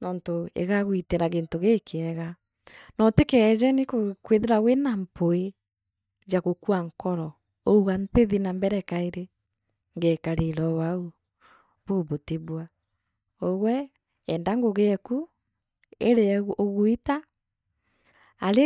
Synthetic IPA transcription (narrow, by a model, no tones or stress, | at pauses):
nɔːntoḛɣaɣwiteɾaɣentoɣekʰeɛɣa | nɔtekɛzɛnikokweðeɾaɣwenampoe | d͡ʒaɣokuaŋkɔɾɔ | ouɣanteðinambɛɾɛkaeɾe | ŋɡɛkaɾeɾɔwau | βuːβoteβwa | oɣwɛ | ɛndaŋɡoɣeku | eɾeɣoɣwita | ɾe